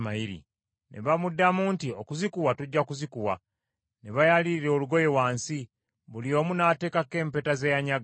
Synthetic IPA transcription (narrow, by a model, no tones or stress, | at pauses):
majiɾḭ | nʔe̞̰βamudːamuntiokuzikuwatuɟːakuzikuwa | neβajaliɾiɾe̞oːluɡo̞je̞waːnsi | βulio̞ːmunaːte̞ːkake̞ːmpe̞ːtazejaɲaɡ